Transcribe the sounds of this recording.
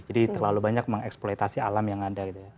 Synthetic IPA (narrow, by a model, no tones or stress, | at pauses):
d͡ʒadit̪ərlalubaɲak̚məŋɛksplojt̪asialamjaŋadardia